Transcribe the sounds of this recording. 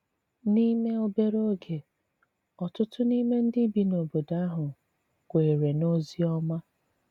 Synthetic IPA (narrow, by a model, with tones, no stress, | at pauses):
ni˦me˦o˨be˦ɾo˦ɡe˨ | ɔ˨tʊ˦tʊ˦ni˦me˦n̩˦dɪ˦bi˨no˨bo˨da˦ɦʊ˨ | kʷe˨ɾe˨no˦zi˦ɔ˦ma˦